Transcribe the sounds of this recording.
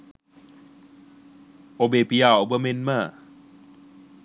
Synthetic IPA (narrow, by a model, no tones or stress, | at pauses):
ʔobepijaʔobɯmenma